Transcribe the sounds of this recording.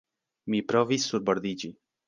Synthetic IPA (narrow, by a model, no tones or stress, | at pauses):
mipɾɔvisuɾbɔɾd̪id͡ʒi